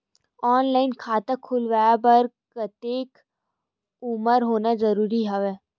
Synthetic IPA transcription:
ɔːnlaːɪnkʰaːt̪akʰʊlʋajabɐɾkət̪eːk | ʊməɾɦoːnazɐɾuːɾiɦɐʋeː

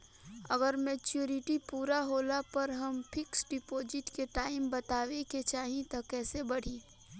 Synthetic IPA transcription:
ɐɡəɾmeːt͡ʃjuɾɪʈipuːɾaɦoːlapɐɾɦɐmpʰɪksɖɪpoːd͡ʒɪʈkeʈaːɪmbɐt̪aːʋeket͡ʃaːɦĩt̪okɛːsebɐɽ̤iː

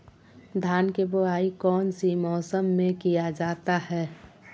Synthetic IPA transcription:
d̪ʱjaːnkebʊɦaːikɔːnsimɔːsəmːẽkijad͡ʒaːt̪ahɛː

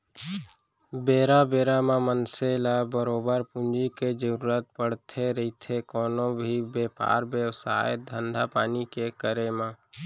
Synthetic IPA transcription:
beːɾabeːɾamãmənselabəɾoːbəɾpʊnd͡ʒiked͡ʒəɾuːɾət̪̚pəɽt̪ʰeɾəit̪ʰekɔːnõbʱibeːpa̰ːɾbewsa̰ːjət̪̚d̪ʱənd̪ʱapaːnikekəɾemãː

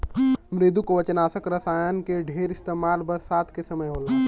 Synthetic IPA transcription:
mɾeːd̪ʱukoʋɐt͡ʃnaːsəkɾɐsaːjənkeɖʱeːɾɪst̪eːmaːlbɐɾsaːt̪ʰkesɐməjɦoːlaː

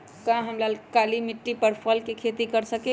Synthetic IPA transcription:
kãɦəmlalkalimiʈːipəɾpʰəlkekʰet̪ikəɾsəke

